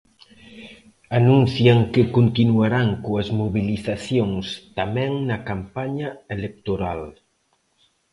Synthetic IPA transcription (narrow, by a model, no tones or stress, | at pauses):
anunθjaŋkekont̪inuaɾaŋkoɐzmoβiliθaθjoŋst̪amɛ̃ŋnɐkampaɲɐelek̚t̪oɾal